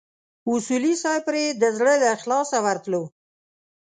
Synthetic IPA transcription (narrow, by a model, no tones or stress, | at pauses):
ʊsulisɑjpɾed̪əzɽəlaxlɑsawaɾt̪lo